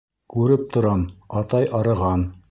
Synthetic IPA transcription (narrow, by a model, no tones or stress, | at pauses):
kʉɾɘp̚t̪ŏɾɑmɑt̪ɑjʔɑɾɤ̆ʁɑn